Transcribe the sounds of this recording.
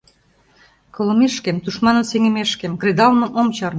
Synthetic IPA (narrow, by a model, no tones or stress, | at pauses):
kɤ̆lmeʃkemt̪uʃmɑnə̆mseŋĕmeʃkemkred̪ɑlmɤ̆mʔomt͡ɕɑr